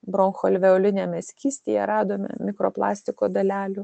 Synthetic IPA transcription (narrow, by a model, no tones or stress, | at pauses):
bɾoŋxolʲʋʲɛʊlʲɪnʲɛmʲɛsʲkʲiːsʲt̪ʲejɛɾɑːd̪oːmʲɛ̰mʲɪkɾo̰ːplˠɑ̰ːsʲt̪ʲɪkoːd̪ɐlʲæːlʲʊ